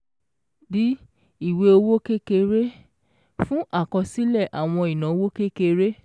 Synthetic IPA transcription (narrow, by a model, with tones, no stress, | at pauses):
di˦ | i˦˨we˧o˧wo˦ke˦ke˧ɾe˦ | fũ˦ʔa˦˨kɔ˧si˦lɛ˦˨ʔa˨w̃ɔ̃˧i˨nã˨o˧˦wo˦ke˦ke˧ɾe˦